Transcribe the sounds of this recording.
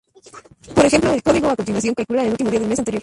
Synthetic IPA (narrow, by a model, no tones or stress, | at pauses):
po̞ɾexe̞mploelko̞ðiɣoakont̪inwasjo̞ŋkalkulaeneult̪imo̞iaðelmesant̪ejo̞ɾ